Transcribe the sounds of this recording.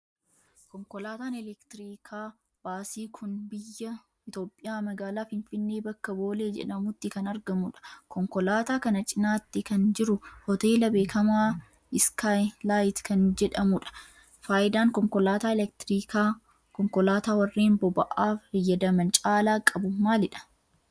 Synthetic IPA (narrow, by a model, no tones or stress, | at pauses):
kɔŋkɔlaːt̪aːnɛlɛkt̪ɪɾiːkʰaː | b̥aːsiːkʰʊnbɪjːɐ | ɪt̪o̞ːpʼːɪjaːmɐɡaːlaːfɪnfɪnːe̞ːbɐkːɐbo̞ːle̞ːd͡ʒɛ̰ᶑɐmʊt̪ːɪkɐnɐɾɡɐmʊᶑɐ̥kɔŋkɔlaːt̪aːkɐnɐt͡ʃʼɪnaːt̪ːɪkɐnd͡ʒɪɾʊhɔt̪e̞ːlɐbe̞ːkʰɐmaː | ɪskajlaːjt̪kɐnd͡ʒɛᶑɐmʊᶑɐ̥ | faːjɪd̪aːŋkɔŋkɔlaːt̪aːɛlɛk̚t̪ɪɾiːkaː | kɔŋkɔlaːt̪aːwɐrːeːmbɔbɐʔaːfɐjːɐd̪ɐmɐnt͡ʃʼaːlaːkʼɐbʊmaːlɪᶑɐ̥